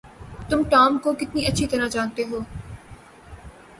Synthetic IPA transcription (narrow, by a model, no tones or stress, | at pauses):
t̪ʊmʈaːmkokɪt̪niɐtːʃʰit̪ɐɾãt͡ʃaːnt̪eɦoː